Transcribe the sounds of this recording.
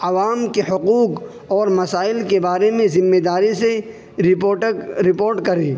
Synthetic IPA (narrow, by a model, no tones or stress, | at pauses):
ɐʋaːmkehʊquːq | ɔːɾmɐsaːɪlkebaːɾemẽzɪmːed̪aːɾise | ɾpːʈɾɪpoːɾʈkɐɾeː